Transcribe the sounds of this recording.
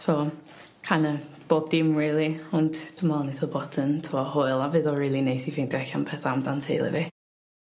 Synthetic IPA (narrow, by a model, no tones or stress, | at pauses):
sʰɔː | kʰanəb̥oːb̚dɪmɹiːlˠiɔndd̥ʊmalˠaniθɔbɔtʰəntʰuwɔhoɨlˠavɨðɔriːlˠinejsivend̥ɛçanpʰɛθaamdantʰejlˠɛ̰vɪ